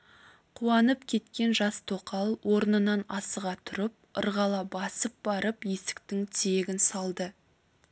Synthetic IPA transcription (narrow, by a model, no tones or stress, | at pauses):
qʰuɑnəpkʲʰe̞t̪kʲe̞nʒɑst̪ʰoqʰɑlˠwʔo̞ɾnənɑnɑsəʁɑt̪ʰʊɾəp̚ə̰ɾʁɑlˠɑbɑsəp̚bɑɾəpje̞sɪ̥k̚t̪ɪŋt̪ʰeɡʲɪnsɑlˠd̪ə